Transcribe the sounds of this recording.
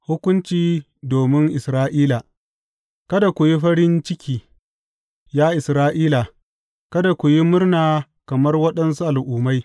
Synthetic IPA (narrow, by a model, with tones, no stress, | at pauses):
hʊ˦kʷʊ˦nt͡ʃiː˦ | doː˨mɪ˦ŋʔɪ˨sɾaː˦ʔiː˦la˨ | kɐ˦da˨kʷʊ˨ji˦ɸɐ˦ɾɪ˦nt͡ʃɪ˦kʲiː˨ | jaː˦ʔɪ˨sɾaː˦ʔiː˦la˨ | kɐ˦da˨kʷu˨ji˦mʊ˦rnaː˨ | kɐ˨mɐ˦rwɐ˦ɗɐ˦ns̬u˦ʔa˨lʔʊː˨ma˦j